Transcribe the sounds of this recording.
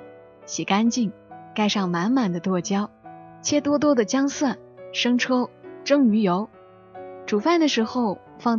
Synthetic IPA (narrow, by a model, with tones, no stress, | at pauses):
ɕi˨˩ka˥nt͡ɕi˥˩ŋ | ka˥˧ɪʂɑ˥˩ŋma˧˥nma˨˩nd̪ə˦t̪wɔ˥˩t͡ɕjɑ˥ʊt͡ɕʰjɛ˥t̪wɔ˥t̪̬wɔ˥d̪ə˨t͡ɕjɑ˥ŋswa˥˩n | ʂɤ˥ŋʈ͡ʂʰɤ˥ʊʈ͡ʂɤ˥ŋy˧˥jo˧˥ʊ | ʈ͡ʂu˨˩fa˥˩nd̪ə˩ʂɻ̩˧˥xo˥˧ʊ | fɑ˥˩ŋ